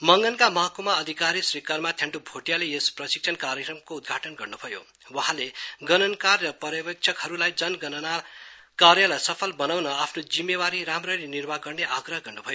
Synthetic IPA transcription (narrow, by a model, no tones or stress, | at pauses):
mʌŋɡʌnkamʌɦʌkomaʌd̪ʱikaɾiswikarmat̪ʰjaɳʈubʱoʈjalejesprʌsi̥k̚t͡sʰʌnkaɾjʌkrʌmkoud̪̚ɡʱaʈʌnɡʌrnubʱʌjo̰ | wʌɦaleɡʌnʌnkarːʌpʌɾjʌbʌk̚t͡sʰʌkɦʌɾulajd͡zʌnɡʌnna | kaɾjʌlajsʌpʰʌlbʌnawnʌapʰnod͡zimːebaɾiɾamrʌɾinirbaɡʌrneʔaɡrʌɦʌɡʌrnubʱʌjo